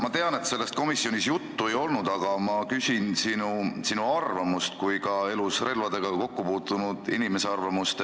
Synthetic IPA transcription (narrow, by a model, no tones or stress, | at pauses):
mɑt̪e̞ɑne̞t̪se̞lːe̞st̪̚ko̞misːio̞nʲisjut̪ːue̞jo̞lnud̪̥ɑɡ̥ɑmɑkysʲinsinusinuɑrvɑmust̪kujkɑe̞lusre̞lvɑd̪̥e̞ɡ̥ɑko̞kːupuːt̪ˑːunud̪̥inʲimese̞ɑrvɑmust̪